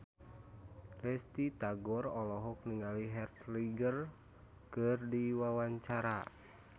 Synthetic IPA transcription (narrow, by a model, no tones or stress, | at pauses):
lɛst̪it̪aɡɔrɔlɔɦɔk̚niŋaliɦɛrt̪liɡər | kɨrdiwawaɲt͡ʃaɾa